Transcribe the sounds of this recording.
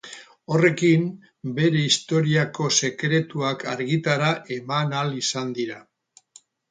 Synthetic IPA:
o̞re̞kim | be̞ɾe̞ist̪o̞ɾiako̞se̞kɾe̞t̪uakaɾɣit̪aɾaʔe̞manalisand̪iɾa

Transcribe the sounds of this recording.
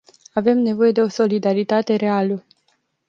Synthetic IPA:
ave̞mne̞vo̞je̞d̪e̞o̞so̞lid̪aɾit̪at̪e̞ɾe̞alə

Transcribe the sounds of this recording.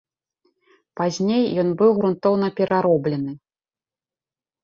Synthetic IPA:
pazʲnʲejːɔnbɨwɣɾunt̪ɔwn̪ɐpʲɛɾʔaɾɔblʲɛnɨ

